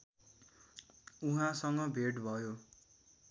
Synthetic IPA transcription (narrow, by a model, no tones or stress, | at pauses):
uɦãsʌŋɡʌbʱeʈbʱʌjo